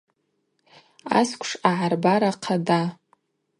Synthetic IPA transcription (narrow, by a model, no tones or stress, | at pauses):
a̰skʷʰʼʂaʕarbaɾaqʰada